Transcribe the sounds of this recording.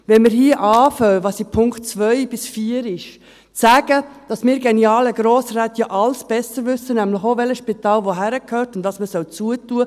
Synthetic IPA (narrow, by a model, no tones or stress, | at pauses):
ʋɛnmɪɾɦiːəʔɑːfœwʋɑːsipʰʊŋkt̚t͡sʋœʏb̥ɪsfiːəɾɪʃ | t͡sæːɡ̥əd̥ɑsmɪːɾɡeniɑːləɡɾoːsɾæːtjɑʔɑlsb̥ɛsəɾʋʏsːənæmləχoʋɛləsʃpitɑːlʋoɦæɾəkhøːrtʊndɑsməsœwt͡suətuə